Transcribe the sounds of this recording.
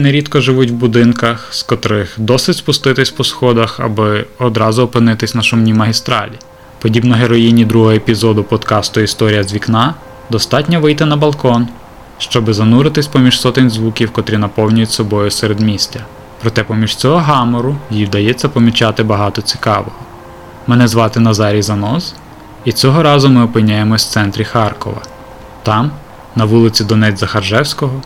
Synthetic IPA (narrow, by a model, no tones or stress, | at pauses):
neɾʲit̪kɔʒɪʋutʲwbʊd̪ɪnkɐxskɔt̪ɾɪxd̪ɔsɪtʲspʊst̪ɪt̪ɪsʲpɔsxɔd̪ɐxɐ̰bɪɔd̪ɾɑzʊːpɪnɪt̪ɪsʲnɐʃʊmnʲimɐɦʲist̪ɾɑ̰lʲi | pɔdʲibnɔɦeɾɔjinʲid̪ɾuɦɔɦɔepʲizɔd̪ʊpɔd̪kɑst̪ʊist̪ɔɾʲijɐzʲʋʲiknɑ | d̪ɔst̪ɑtʲnʲɔʋɪjt̪ɪnɐbɐlˠkɔn | ʃt͡ʃɔbɪzɐnuɾɪt̪ɪsʲpɔmʲiʒsɔt̪ɪnʲzʋukʲiwkɔt̪ɾʲinɐpɔwnʲʊjʊtʲsɔbɔjʊseɾed̪mʲisʲtʲɐ | pɾɔt̪ɛpɔmʲiʒt͡sʲɔɦɔɦɑmɔɾʊjijwd̪ɐjɛt͡sʲːɐpɔmʲit͡ʃɑt̪ɪbɐɦɑt̪ɔt͡sʲi̥kɑ̰ʋɔɦɔ | mɛnɛzʋɑt̪ɪnɐzɑɾʲizɐnɔz | it͡sʲɔɦɔɾɑzʊmɪɔpɪnʲːajemɔw̥t̪ɛnt̪ɾʲixɑrkɔ̰ʋɐ̰ | t̪ɑm | nɐʋulˠɪt͡sʲid̪ɔnɛdʲzɐxɐrʒɛwsʲkɔɦɔ